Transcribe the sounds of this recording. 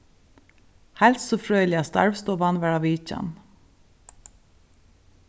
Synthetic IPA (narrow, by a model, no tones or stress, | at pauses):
hælsɔfɹœːʏlɪɑst̪ɑ̰ɹʋst̪oːʋɑnʋæɹɑːʋiːc͡çɑ̰n